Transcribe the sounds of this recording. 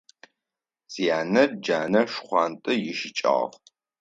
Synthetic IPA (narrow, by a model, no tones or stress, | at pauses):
zijaːnɐrd͡ʒaːnɐʂχʷɑːntʼɨjɪʃɪt͡ʃʼa̰ːʁ